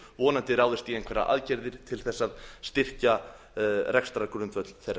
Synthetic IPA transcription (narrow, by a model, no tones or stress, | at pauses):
vɔːnant̪ɪɾaːwðɪst̪iɛjŋkʰvɛɾa̰ʔa̰ðcɛɾðɪɾ̥t̪ʰɪlθɛsːaðst̪ɪr̥ca | rɛkst̪ɾakʏɾʏnt̪vœt̪l̥θejɾra